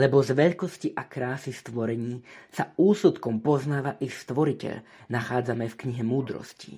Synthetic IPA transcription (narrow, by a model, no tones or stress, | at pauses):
lɛbɔzʋɛʎkɔsciʔakɾaːsist̪ʋɔɾɛɲiːsauːsut̪kɔmpɔznaːʋaʔixst̪ʋɔɾicɛ̰ʎ | naxaːd͡zamɛfkɲiɦɛmuːd̪ɾɔ̰scḭ